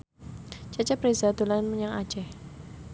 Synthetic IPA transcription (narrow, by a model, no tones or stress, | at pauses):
d͡ʒḁt͡ʃapɾezad̪olanməɲaŋa̰̥t͡ʃɛh